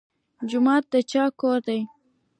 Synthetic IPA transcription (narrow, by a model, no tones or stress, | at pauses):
d͡ʒʊmɑt̪̚d̪ət͡ʃɑkoɾd̪aj